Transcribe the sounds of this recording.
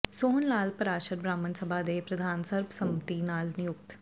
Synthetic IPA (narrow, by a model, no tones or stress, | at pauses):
soːnnaːlpəɾaːʃəɾbɾaːmənsəbʱaːd̪eːpɾəd̪ʱaːnsəɾbsəmət̪inaːlnɪjʊk̚t̪